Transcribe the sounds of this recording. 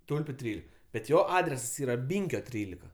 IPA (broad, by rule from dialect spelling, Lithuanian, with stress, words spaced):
ˈtʊlʲpʲʊ ˈtʲrʲiːlʲɪk bʲɛt ˈjoː ˈɑːdʲrʲɛsɐs ˈiːrɐ ˈbʲiːŋʲkʲoː ˈtʲrʲiːlʲɪkɐ